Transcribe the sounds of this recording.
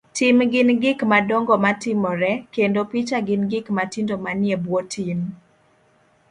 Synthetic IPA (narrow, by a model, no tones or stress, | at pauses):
timɡɪnɡɪkmadɔŋɡɔmatɪmɔɾɛkendopit͡ʃaɡɪnɡɪkmatindomanjebwotʰim